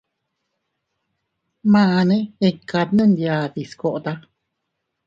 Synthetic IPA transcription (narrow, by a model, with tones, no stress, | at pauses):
mãa˧nẽ˦e˧ka˧t̪nɨ̃˦nd̪ia˧t̪i˨sko˨ʔt̪a˦